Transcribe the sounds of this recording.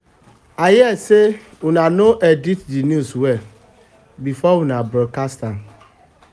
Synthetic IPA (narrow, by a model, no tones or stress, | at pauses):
ajɪɛse | unanoʔeditdinjuswɛ | bifɔwunabɾokastãn